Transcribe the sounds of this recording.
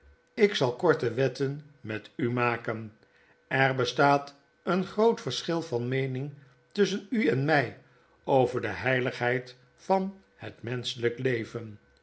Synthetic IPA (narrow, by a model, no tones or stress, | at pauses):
ɪksɑlˠkɔɹtəʋɛtən | mɛtymaːkən | ɛɹbəstaːt | ənχrowtfəɹsχɪlˠvɑnmejnɪŋ | tʏsənyɛnmɛj | owvəɹdəɦɛjləχɦɛjt | fɑn | hətmɛnsələklejvən